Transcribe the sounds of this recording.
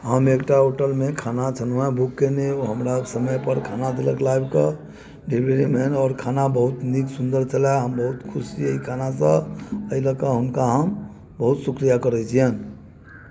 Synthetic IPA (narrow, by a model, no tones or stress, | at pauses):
ɦəmeːkʈaɦoʈəlmẽkʰaːnat͡ʃʰənuɦɛ̃bʱukːeneoɦəmɾasəməjpəɾkʰanad̪eləklajbka | ɖʱebɾeɾimenɔːɾkʰanabəɦʊt̪niksund̪əɾt͡ʃəlaɦəmbəɦʊt̪kʰʊsiəikʰanasə̃əiləkaɦʊnkaɦəm | bəɦʊt̪sukɾijakəɾɛt͡ʃʰiɦən